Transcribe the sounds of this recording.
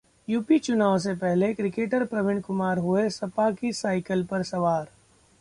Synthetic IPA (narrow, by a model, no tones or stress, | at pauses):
juːpit͡ʃʊnaːws̬epɛɦlekɾɪkeːʈəɾpɾɐʋɪ̃ɳ̃ɖkʊmaːɾɦuesɐpakisaːɪkəlpɐɾsɐʋaːɾ